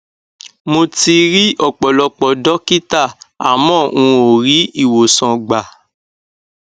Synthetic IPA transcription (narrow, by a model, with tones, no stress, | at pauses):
mo˧ti˧ɾi˦ʔɔ˦˨k͡pɔ˨lɔ˧k͡pɔ˨dɔ˦ki˦ta˦˨a˨mɔ̃ː˦˨ũ˧o˨ɾi˨˦i˦˨wo˨sɔ̃˧ɡ͡ba˨